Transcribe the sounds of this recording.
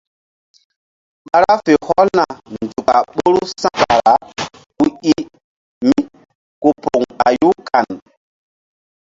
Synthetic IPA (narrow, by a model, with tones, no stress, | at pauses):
ɓa˦ɾa˦fe˨hɔ˦lna˨ndu˨ka˨ɓo˦ɾu˦sã˦ka˨ɾa˨˦ | ku˦i˦ | mi˦ | ku˨po˨ŋa˨ju˦kʰa˨n